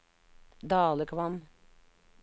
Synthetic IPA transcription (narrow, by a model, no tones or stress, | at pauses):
d̪ɑːlˠəkʰʋɑm